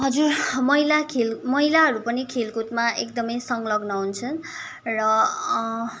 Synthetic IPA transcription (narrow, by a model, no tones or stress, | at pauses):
ɦʌd͡zurmʌilakʰelmʌilaɦʌɾupʌnikʰelkut̪maʔek̚d̪ʌmʌjsʌŋɡlʌɡnʌɦunt͡sʰʌn | rʌ